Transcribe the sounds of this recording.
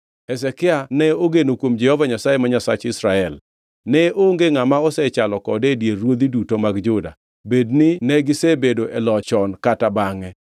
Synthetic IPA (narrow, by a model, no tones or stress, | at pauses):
ɛsɛkɪanɛoɡenokwomd͡ʒɛhɔvaɲasajemaɲasat͡ʃɪsɾaɛl | nɛoŋɡeŋamaɔsɛt͡ʃalɔkɔdedjerwod̪idutomaɡd͡ʒʊda̰ | bednɪnɛɡɪsebedoʔɛlɔt͡ʃɔnkatabaŋɛ